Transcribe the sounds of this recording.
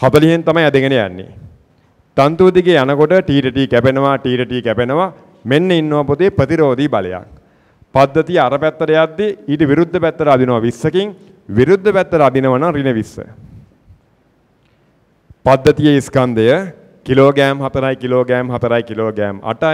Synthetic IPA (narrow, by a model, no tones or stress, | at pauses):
hat̪ɐliɦent̪amajɛd̪eɡənejæ̰nːḭ | t̪ant̪uʋd̪iɡeanəkoʈəʈiːʈəʈikæpenəʋaʈiːʈəʈikæpenəʋa | menːəinːəʋaput̪epɾət̪iɾoːd̪ibalḛja̰k̚ | pad̪ːət̪ijəaɾəpæt̪ːəɾəjat̪ːiiːʈəʋiɾud̪ʱːəpæt̪ːəɾəad̪inəʋaʋisːəkiŋ | ʋiɾud̪ʱːəpæt̪ːəɾəad̪inəʋanaŋrinəʋisːə̰ | pad̪ːət̪ijəiskand̪əjə | kiloːɡæːmhat̪əɾajkiloːɡæːmɦat̪əɾajkiloːɡæːma̰ʈa